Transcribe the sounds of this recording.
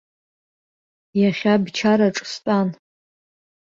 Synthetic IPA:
jaχʲabt͡ʃʰaɾaʈ͡ʂʼstʼan

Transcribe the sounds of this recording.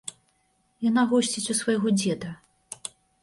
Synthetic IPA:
janaɣɔsʲt͡sʲit͡sʲusvɐjɣɔd͡zʲɛd̪ɐ

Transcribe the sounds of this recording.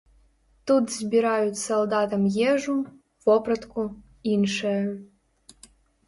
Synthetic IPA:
t̪ut̪zbʲiɾajut̪sɐlˠd̪at̪ɐmjeʐum | voprɐt̪kʰu | inʂɐj

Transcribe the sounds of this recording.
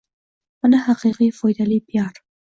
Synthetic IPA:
manahaqiqifojd̪alipjɑɾ

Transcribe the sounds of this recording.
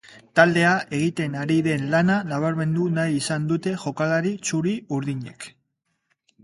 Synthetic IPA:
t̪ald̪e̞aʔe̞ɣ̞it̪e̞naɾiðe̞nlananaβ̞aɾme̞nd̪unajisand̪ut̪e̞ʝo̞kalaɾit͡ʃuɾiuɾðiɲe̞̰k

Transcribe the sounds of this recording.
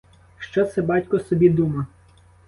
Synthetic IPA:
ʃt͡ʃɔt̪sɛbɑtʲkɔsɔbʲid̪umɐ

